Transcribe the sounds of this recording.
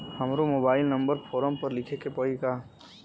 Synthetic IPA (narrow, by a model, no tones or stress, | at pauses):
həmɾomoːbaːɪlnə̃mbəɾpʰoːɾəmpəɾlɪkʰekepəika